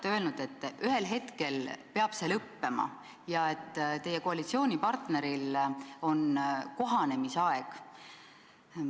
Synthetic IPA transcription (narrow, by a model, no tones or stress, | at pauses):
eølnud̪̥e̞t̪ːʔyɦe̞lɦe̞t̪ke̞lpe̞ɑb̥se̞ːlɤpːe̞mɑ̰ | jɑe̞t̪ːt̪e̞jeko̞ɑlit̪sio̞ːnʲipɑrt̪ne̞ɾilo̞nko̞ɦɑne̞miseɑe̞ɡ̥